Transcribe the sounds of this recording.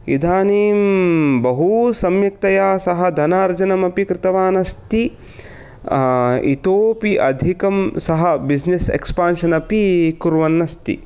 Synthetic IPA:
ḭd̪ʱaːniːmbɐɦusɐmjɐk̚t̪ɐjaːsɐɦɐ̆d̪ʱɐnaːɾd͡ʒɐnɐmɐpikɾɪt̪ɐʋaːnɐst̪i | ḭt̪oːpiʔɐ̰d̪ʱikɐmsɐɦɐbid͡ʒnesḛkspaːnʃɐnɐpikuɾʋɐnːɐst̪ḭ

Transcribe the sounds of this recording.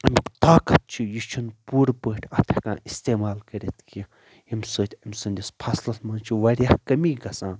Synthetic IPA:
ɐmʲikt̪aːkʰɐt̪̚t͡ʃʰijit͡ʃʰunpuːɾbəːʈʲʰɐt̪ʰɐ̥kã̰ːʔist̪eːmaːlkɐɾet̪kʰii | imʲsɨːt̪ʰʲɐmʲsɨnʲd̪ʲispʰɐslɐsmɐnt͡ʃʰiʋɐɾʲjahkɐmiɡɐsãː

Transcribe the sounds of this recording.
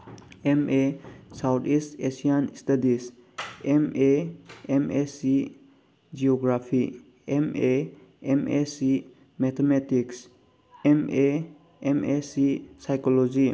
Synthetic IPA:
emʔesawtʰistesianistadis | emeemesi | d͡ʒiɔɡɾapʰi | emeemesi | mɛt̪ʰemetiks | eme | emʔesisajkɔlɔd͡ʒi

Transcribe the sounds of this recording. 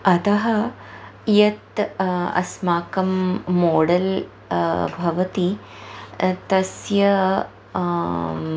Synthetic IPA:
ɐt̪ɐɦɐ | jɐt̪ɐ̰smaːkɐmːoːɽɐl | bʱɐʋɐt̪i | t̪ɐsjɐ

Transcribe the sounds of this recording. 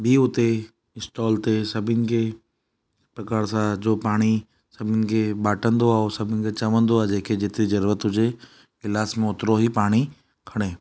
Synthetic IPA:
bʱiʊt̪e | ɪsʈɔːlt̪esɐbʱɪnɪ̆kʰe | pɾɐkaːɾsãd͡ʑoːpaːɽ̃i | sɐbʱɪnɪ̆kʰebaːʈə̃nd̪oaːosɐbʱɪnɪ̆kʰet͡ɕɐʋə̃nd̪oaːd͡ʑeːkʰed͡ʑeːt̪ɾizɐɾuːɾət̪ɦʊd͡ʑe | kɪlaːsmẽʊt̪ɪɾoɦipaːɽ̃i | kʰɐɽ̃eː

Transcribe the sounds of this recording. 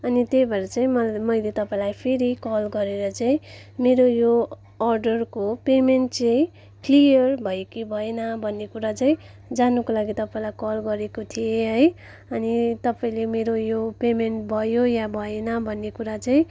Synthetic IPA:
ʌnit̪ejbʱʌɾʌt͡saĩmʌmʌjlet̪ʌpaĩlajpʰeɾikʌlɡʌɾeɾʌt͡saĩ | meɾojo | ʌrɖʌrkopemenʈt͡saĩ | klijʌrbʱʌjekibʱʌenʌbʱʌnːekuɾat͡saĩ | d͡zanukolaɡit̪ʌpaĩlajkʌlɡʌɾekot̪ʰieɦʌj | ʌnit̪ʌpaĩlemeɾojopemenʈ̚bʱʌjojabʱʌenʌbʱʌnːekuɾat͡saĩ

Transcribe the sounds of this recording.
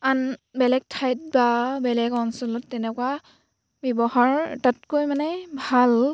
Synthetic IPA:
anbɛlɛɡ̚tʰajt̚babɛlɛɡɔnsɔlɔtːɛnɛkwa | bjɔbɔhaɹtatkojmanɛbʱal

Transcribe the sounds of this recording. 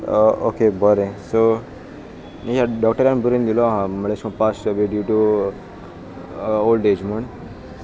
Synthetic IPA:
o̰kebəɾẽso | ekaɖɔːkʈəɾanbuɾind̪iloɦãməleʃkõpasəbeɖjuʈu | oːlɖed͡ʒmən

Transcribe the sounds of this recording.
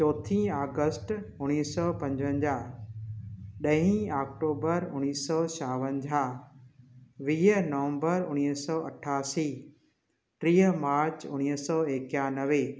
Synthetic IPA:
t͡ɕɔːt̪ʰĩːaːɡəsʈʊɽ̃iːsɔːpɐ̃ɲd͡ʑʋə̃ɲd͡ʑaː | ɗɐɦĩaːkʈoːbəɾʊñiːsɔːsaːʋə̃ɲd͡ʑʱaː | ʋiːɦənɐʋə̃mbəɾʊñiːsɔːɐ̰ʈʰːaːsiː | ʈɾiːɦəmaːɾt͡ɕʊñiɦsɔːeːkjaːnəʋe

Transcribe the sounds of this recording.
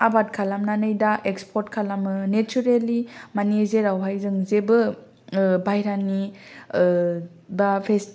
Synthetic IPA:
abat̚kʰalamnanɯjdaʔekspʰɔɾtkʰalamɯnet͡ʃuɾelimanezeɾawɦajzɯŋzebɯ | bʱajɾani | bapʰes

